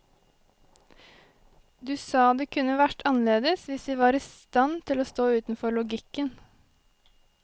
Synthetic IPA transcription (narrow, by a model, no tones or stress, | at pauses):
d̪ʉːsɑːd̪eːkʰʉnəʋæʈʰɑnleːd̪əsʋɪsd̪iːʋɑːɾiːst̪ɑnt̪ʰɪloːst̪oːʉːt̪n̩fɔɭʊɡɪkən